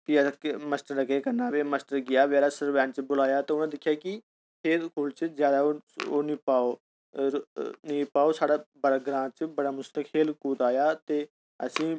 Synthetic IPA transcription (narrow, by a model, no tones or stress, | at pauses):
kikməsʈəɾːəkeːkənaːʋeːməsʈəɾɡɪjaːʋɛːlaːsəɾʋɛ̃ːnt͡ʃbʊlaːjaːt̪eːʊnãːd̪ɪkʰːjaːkɪ | pʰeːɾkʰoːlt͡ʃəzjaːd̪aːooːnipaːoː | nĩːpaːoːsaːɽaːbəɽaːɡɾãːt͡ʃəbəɽaːmʊst̪əkʰeːlkuːt̪aːjaːt̪eː | ə̰sĩː